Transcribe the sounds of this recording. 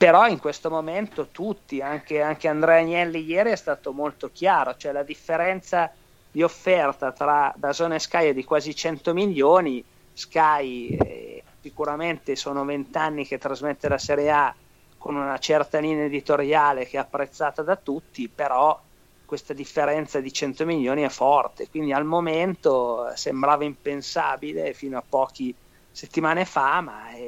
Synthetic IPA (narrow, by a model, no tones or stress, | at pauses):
peɾɔiŋkwest̪omoment̪ot̪ut̪ːiaŋk̟eaŋk̟eand̪ɾɛaɲɛlːijɛːɾiɛst̪aːt̪omolt̪ok̟jaːɾot͡ʃoɛlad̪ifːeɾɛnt̪sa | d̪iofːɛrt̪at̪ɾad̪azoːneskajed̪ikwaːzit͡ʃɛnt̪omiʎːoːni | skaj̰ | sikuɾament̪esoːnovent̪anːiket̪ːɾazmet̪ːelaseɾjea | konunat͡ʃɛrt̪aliːneed̪it̪oɾjaːlekeɛapːɾet̪sːaːt̪ad̪at̪ut̪ːipeɾɔ | kːwest̪ad̪ifːeɾɛnt̪sad̪it͡ʃɛnt̪omiʎːoːniɛfɔrt̪ekwind̪ialmoment̪osembɾaːvaimpensaːbilefiːnoapːɔːk̟i | set̪ːimaːnefama̰ɛ